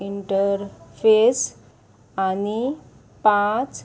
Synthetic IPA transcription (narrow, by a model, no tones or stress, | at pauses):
iɳʈəɾpʰes | ani | pãt͡s